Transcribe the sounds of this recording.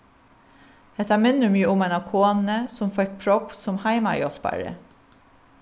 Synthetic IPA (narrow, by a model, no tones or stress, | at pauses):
ɛt̪ɑmɪnʉmyːəʊmæɪnɑkʰoːnəsʊmfɛk̚pʰɹɔpsɔmhæɪmɑ̰jɔlpɑ̰ɹə̰